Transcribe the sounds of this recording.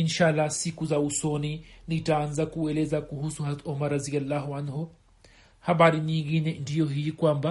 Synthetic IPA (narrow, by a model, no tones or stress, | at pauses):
inʃalasikuzausɔninitaanzakuɛlɛzakuhusuhat̪ɔmaɾaziɡalːaɦuanɦɔ | haɓaɾiɲiŋɡinɛndijɔɦikwamba